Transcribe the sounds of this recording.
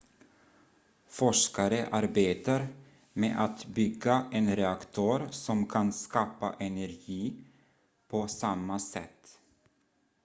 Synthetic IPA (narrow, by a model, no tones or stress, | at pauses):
fɔʂkaɾəʔaɾbeːt̪aɾ | mḛːʔat̪bʏɡːaʔɛnɾɛakt̪ʰœːɾsɔmkʰanskɑːpa̰ʔɛnæɾɡiː | pʰɔsamːasɛ̰t̪ː